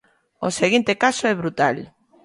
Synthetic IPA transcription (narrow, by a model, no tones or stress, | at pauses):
oseɣint̪ekasoɛβ̞ɾut̪al